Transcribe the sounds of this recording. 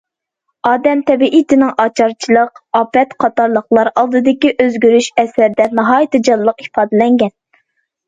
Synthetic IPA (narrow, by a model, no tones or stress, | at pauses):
ɑːd̪ɛmt̪ʰɛbiʔit̪ʰɪnɪŋɑt͡ʃʰɑɾt͡ʃʰilˠəqɑːpɛt̪qʰɑt̪ɑɾlˠəχlˠɑɾɑlˠd̪ɨd̪ɨkʲiʔøzɡʲyɾyʃɛsæɾd̪ɛnɑɦɑːjit̪ʰɨd͡ʒɑlˠːəqi̥fɑːd̪ɪlɛŋɡʲɛn